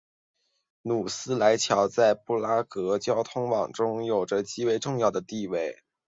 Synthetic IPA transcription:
nu˨˩sɹ̩˥la˧˥ɪt͡ɕʰjɑ˧˥ʊt͡sa˥˧ɪpu˥˩la˥kɤ˧˥t͡ɕjɑ˥ʊt̪ʰʊ˥ŋwɑ˨˩ŋʈ͡ʂʊ˥ŋjo˨˩ʊʈ͡ʂə˦t͡ɕi˥we˧˥ɪʈ͡ʂʊ˥˧ŋjɑ˥˩ʊd̪ə˩t̪i˥˧we˥˩ɪ

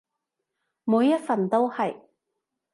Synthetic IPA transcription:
muː˨˧jːɐ˥t̚fɐ˨nt̪o˥whɐ˨j

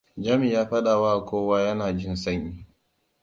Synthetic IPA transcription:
d͡ʒa˦mi˨jaː˦ɸɐ˦ɗa˨wa˦ʔa˨kʷoː˦waː˦jɐ˦naː˨d͡ʒɪ˦nsɐ˦ɲjiː˨

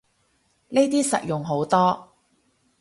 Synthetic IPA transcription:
ne˥t̪̬iː˥sɐ̰˨t̚jʊ˨ŋɦo˨˥wt̪ɔː˥

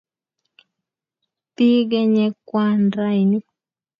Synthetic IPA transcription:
ti˦ɡɛ˦ɲɛ˧kwa˦nɾa˦i˨ni˦

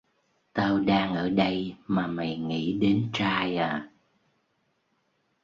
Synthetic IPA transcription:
t̪aː˧wɗaː˧ŋʔəː˧˩ɗə˧jmaː˨˩ma˨˩jŋḭ˧˥ɗe˨˦nt͡ɕaː˧jaː˨˩

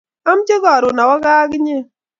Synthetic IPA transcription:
a˦md͡ʒe˦ɡɔ˨ɾʊ˨na˨wa˦ɡa˦kɪ˦ɲe˦

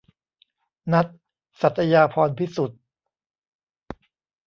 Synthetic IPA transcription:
na˦˥t̪̚ | sa˨˩t̪ʰːa˧jaː˧pʰɔː˧npʰi˦˥su˨˩t̪̚

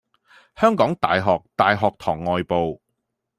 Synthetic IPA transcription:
hœː˥ŋkɔː˨˥ŋt̪a̰ː˨jɦɔː˨k̚t̪aː˨jɦɔː˨k̚t̪ʰɔː˨˩ŋːɔː˨jpo˨w

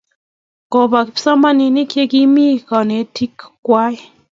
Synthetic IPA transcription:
ko˨ba˨kpsa˦ma˦nɪ˨nɪ˦kje˦ki˦mi˦kɔ˨ne˨˦ti˦kːwa˦ɪ˦

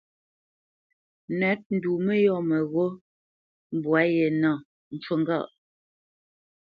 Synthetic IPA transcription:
nɛ˨˦t̚n̩˨du˨mɛ˦jɔ˦˨mɛ˨ɣo˦ | m̩˨bwa˨˦jɛ˨nɔ˦˨ | n̩˨t͡ʃwə˦˨ŋ˦ɡa̰˦˨ʔ

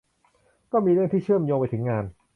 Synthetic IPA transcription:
kɔː˥˩miː˧ɾɯ˥˩ŋt̪iː˥˩t͡ɕʰɯ˥˩əmjoː˧ŋpa˧jt̪ʰɯ˩˦ŋːaː˧n

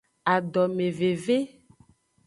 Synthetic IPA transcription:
a˨ɖɔ˨mẽ˨ve˨ve˦

